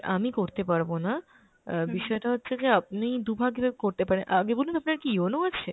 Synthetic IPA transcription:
a̰mikoɾt̪epaɾbona | biʃɔeʈaɦotːɕʰed͡ʑeap̚nijd̪ubʱaɡbabekoɾt̪epaɾenʔaɡebolunt̪oapnaɾkionoat͡ɕʰe

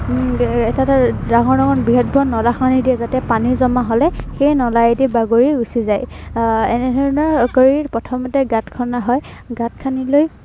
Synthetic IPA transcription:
ɛtatadaɦɔɹdɔɡɔnbiɦɔt̚bʱɔnɔlaxanidiɛzatɛpaniɹzɔmaɦolɛxejnɔlajedibaɡoɹiusizajɛnɛdʱɔɹinɔɹkəɹiɹpɔtʰɔmɔtɛɡatkʰɔnaɦɔjɡat̚kʰaniloj

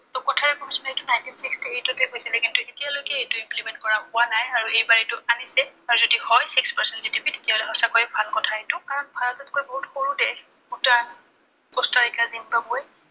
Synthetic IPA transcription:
tʊkɔtʰaɛkɔmisɔnejtʊnajntinsikstietʊtɛɦojsilɛkintʊxetijalojkɛejtʊimplimɛ̃nt̚kɔɹapʊanajaɹuejbaɹitʊanisɛaɹuzodihɔjsikspaɹsɛntzitibitetijaolɛɦɔsakɔjbʱalkɔtʰaetʊkaɹɔnbʱalɔtat̚kojbɔɦutxoɹudɛ | utan | kɔstaɹikazinbaboj

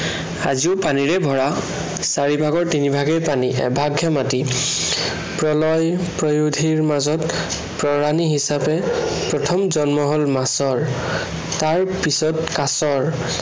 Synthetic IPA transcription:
aziʊpaniɹɛbʱɔɹa | saɹibʱaɡɔɹtinibʱaɡɛjpaniʔɛ̰bʱaɡʱɛmati | pɹɔlɔjpɹɔjudʱiɹmazɔt | pɹɔɹaniɦisapɛpɹɔtʰɔmzɔnmɔɦɔlmasɔɹ | taɹpisɔtkasɔɹ

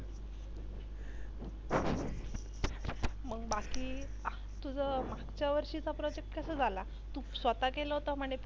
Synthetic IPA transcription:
məɡbakiː | t̪ud͡zəmaɡt͡ɕjaʋəɾɕiːt͡sapɾɔd͡ʑek̚ʈkəsəd͡zʱala | t̪usʋət̪akeləɦot̪əm̤əɽ̃e

